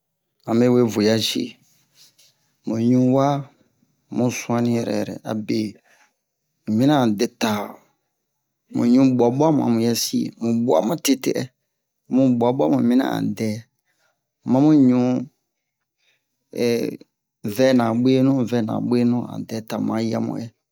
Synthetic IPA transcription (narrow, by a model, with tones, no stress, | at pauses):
a˨me˦we˦˨vu˨ja˦ʃḭ˦˨ | mũ˨ɲũ˦wa˦ | mũ˦sũ˦ã˦nĩ˦ɛ˨ɾɛ̰˨ɾɛ̰˨a̰˨be˨ | mũ˨mĩ˦nã˦˨dɛ˦ta˨ | mṵ˨ɲũ˦ba˨ɓu˦a˦m˨ã̰˨mũ˨jɛ˦sḭ˦˨mũ˨bu˦a̰˦mã˦te˦te˦ʔɛ˦ | mũ˨ɡ͡bu˨a˨ɓa˦mũ˨mĩ˦nã̰˦a̰˨dɛ˨˦˨ | mã˦mũ˦ɲũ˦ | ɛ˨ | vɛ˦nã˨ɓe˦nũ˦˨vɛ˦nã̰˨ɓe˦nũ˦ã̰˨dɛ˨˦ta˨m˨ã˨˦ja̰˦mṵ̃˦ɛ˦